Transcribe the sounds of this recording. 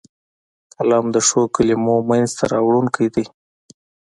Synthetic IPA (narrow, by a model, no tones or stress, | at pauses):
kalɑmd̪əʂokəlimomanzt̪ʰaɾɑwɽunkəjd̪ij